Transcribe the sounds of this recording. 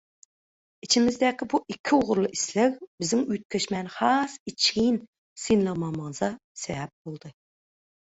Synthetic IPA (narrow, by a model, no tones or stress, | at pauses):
it͡ʃʰimɪzd̪ɛkʲɪbuʔikʲʰːɪoʁʊɾlˠɨʔislɪkʲbɪzɪŋyt̪̚kʲʰøʃmɛnχɑsit͡ʃʰʲijn | sinlˠɨʁmɑmɑŋɨzɑ | sɛbɛp̚bolˠd̪ɨ